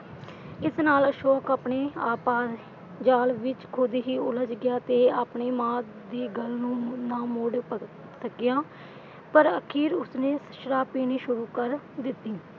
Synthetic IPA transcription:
ɪsnaːləʃɔːkaːpɳeːaːpaːs | d͡ʒaːlʋɪt͡ʃkʰoːd̪iːɦiːʊləd͡ʒɡɪjaːt̪eːaːpɳeːmãː | d̪iːɡəlnũːnaːmoɖp | səkɪjãː | pəɾəkʰiːɾʊsneːəʃɾaːpiːniːʃʊɾuːkəɾ | d̪ɪt̪ːiː

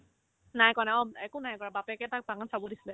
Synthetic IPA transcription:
najkɔnaɔmaɛkunajkɔnabapɛkɛt̪ak̚paŋansawɔdislɛ

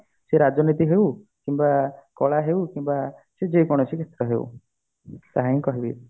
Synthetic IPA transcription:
seɾad͡ʒɔnit̪iɦew | kimbakɔɭaɦewkimbased͡ʒekɔɽ̃ɔsiket̪ɾɔɦḛṵ | t̪aɦaĩkɔɦibi

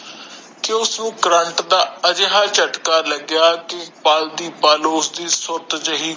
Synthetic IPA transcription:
kɪʊsnũːkɾəɳʈd̪aːəd͡ʒeɦaːt͡ʃəʈkaːləɡjaːkɪpaːld̪iːpaːloːsd̪iːsʊɾt̪d͡ʒəɦiː

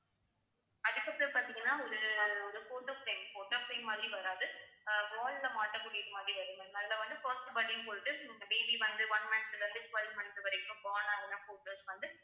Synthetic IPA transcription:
ɐðɯkːɐpːɐpaːt̪ĩŋɡɐnːaːɔɾɯɔɾɯfoːʈːɐfɾeːmpoːʈːɯɐpːɐjmɐːd̪ɾiʋɐɾaːðɯbaːllɐmaːʈːɐmːʊɽɪjɐðɯmaːd̪ɾiʋɐɾɯŋɡɐnɐlːɐʋɐnd̪ɯfaːsʈbɐɽɪŋpoːɾʈːɯɪŋɡɐbeːbiʋɐnd̪ɯʋɐnmɐnt̪ɯʋɐnd̪ɯt͡ʃʋɐlmɐnt̪ɯʋɐɾɐɪkːɯ̃mbaːnaːɐnãːfoːʈːɐlsʋɐnd̪ɯ

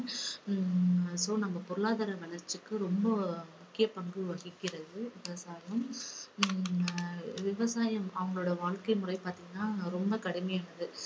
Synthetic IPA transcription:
soːnɐmːɐpɔɾɯɭaːðaːɾɐmɐnɐɾt͡ʃːɯkːɯɾɔmbɐmʊkːɪjɐpɐɳɡɯʋɐɣɪkːɪɾɐðɯʋɪʋɐsaːjɐm | ʋɪʋɐsaːjɐmɐʋɐŋɡɐɭoːɽɐʋaːɭkɐɪmʊrɐɪpaːɾt̪iːŋɡɐnːaːɾɔmbɐkɐɽɪmɐjaːnɐðɯ

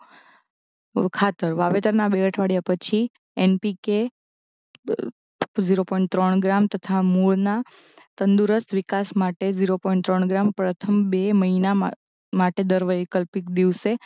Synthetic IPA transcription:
kʰat̪əɾʋaʋet̪əɾnabeəʈʰʋaɽjapət͡ʃʰi | ɛnpike | d͡ʒiɾopɔiɳʈ̚t̪ɾəɳɡɾamt̪ət̪ʰamuɭna | t̪ənd̪uɾəst̪ʋikasmaʈed͡ʒiɾopɔiɳʈt̪ɾəɳɡɾampɾət̪ʰəmbeməɦina | maʈed̪əɾʋəjkəlpikd̪iʋʃe

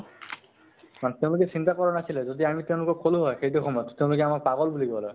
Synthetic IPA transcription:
mant̪eʊ̃lʊk̬ɛsint̪akɔɹɔnasilɛzod̪iamit̪eʊ̃lʊkɔkʰoluɦɔjxejtuxʰɔmɔjɔt̪t̪ːeʊ̃lʊkɛamakpaɡɔlbuliɡɔlɛ

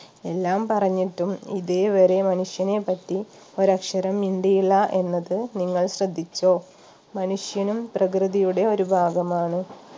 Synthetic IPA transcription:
e̞lːaːmpɐrɐɲːiʈːumḭðeːʋɐɾe̞mɐnuʂjɐne̞pːɐtːi | o̞ɾɐkʂɐɾɐmːiɳɖijiɭːɐʔe̞nːɐðɨniŋːɐɭɕrɐd̪ʱːit͡ɕːo̞ː | mɐnuʂjɐnumprɐkrɨðijuɽe̞o̞ɾubʱaːɡɐmaːɳɨ

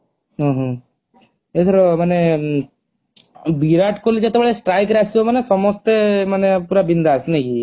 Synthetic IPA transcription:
ɦɔ̃ɦɔ̃ | et̪ʰɔɾɔmane | biɾaʈkolid͡ʒet̪ebɭesʈɾajkɾasomanesɔmɔst̪emanepuɾabind̪aːsneki

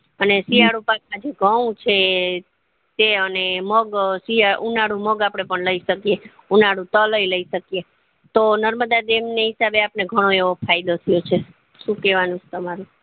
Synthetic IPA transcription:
ənesijaɽũpak̚mãd͡ʒeɡʱəũt͡ʃʰe | t̪eəneməɡsiaunaɽũməɡapɽ̃epəɳləiʃəkje | unaɽũt̪ələiləiʃəkije | t̪onəɾməd̪ad̪emneɦɪsabeapneɡʱəɽ̃oeʋopʰajd̪ot̪ʰijot͡ʃʰe | ʃũkɛʋanũt͡ʃʰe̥t̪əmaɾũ

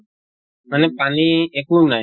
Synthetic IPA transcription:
manɛpaniekunaj

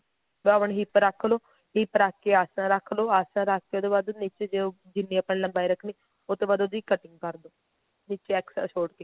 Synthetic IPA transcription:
beaəɳɦiːpəɾəkʰːloː | ɦiːpəɾaːkːeːaːsãɾəkʰːloːaːsãːɾakʰːed̪oːbaːd̪nit͡ʃeːd͡ʒe | d͡ʒɪnːĩːəpːəniləmbaːiɾəkʰniː | ot̪oːbaːd̪od̪iːkəʈɪ̃ŋɡ̚kəɾd̪oː | nit͡ʃeɛːksɛ̰soːɽkeː

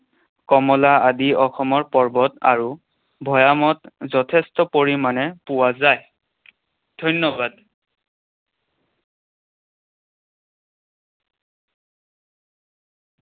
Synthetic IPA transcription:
kɔmɔlaadiɔxɔmɔɹpɔɹbɔta̰ɹu | bʱɔjamɔtzɔtʰɛstɔpoɹimanɛpʊwazaj | dʱɔjnːɔbad

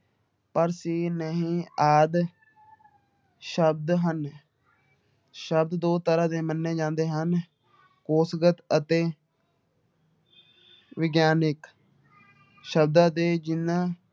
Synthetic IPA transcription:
pəɾsiːnəɦĩːaːd̪ | ʃəb̚d̪ɦən | ʃəb̚d̪d̪oːt̪əɾãːd̪eːmənːẽːd͡ʒãːnd̪eːɦən | koːsɡət̪ət̪eː | ʋɪɡjaːnɪk | ʃəb̚d̪ãːd̪eːd͡ʒɪnːãː

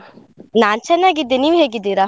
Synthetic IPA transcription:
naːnt͡ʃɛnːaːɡid̪ːeniːʋɦeːɡid̪ːiːɾaː

